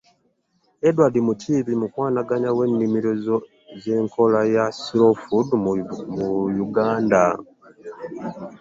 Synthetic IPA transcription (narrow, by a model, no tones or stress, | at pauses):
edwadimuciːβimukwaːnaɡaɲawe̞nːimiɾozo | ze̞ːŋkʰo̞lajasɾofudmujuɡaːnda